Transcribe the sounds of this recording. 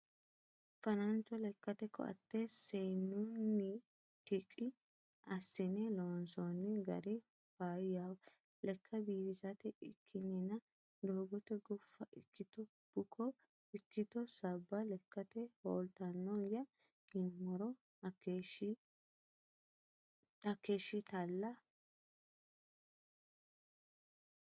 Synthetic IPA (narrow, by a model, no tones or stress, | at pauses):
fɐnɐnt͡ʃːɔlɛkːɐt̪ɛkʰːɔ̰ʔɐ̰t̪ːesɛjnːʊnːɪ | t̪ɪkʼːɪ | ɐsːɪnɛloːnsɔnːɪɡɐ̰ɾɪ | faːjjaw | lɛkʰːɐbiːfɪsɐt̪ɛɪkʰːɪnːɛnɐ | d̪oːɡɔt̪ɛɡʊfːɐʔɪkʰːɪt̪ɔ | b̥ʊkʰːɔ | ɪkːɪt̪ɔsɐbːɐlɛkːɐt̪ɛhoːlt̪ɐnːɔjɐ | ɡɪmːɔɾɔ | ɐkːeʃːɪt̪ɐlːɐ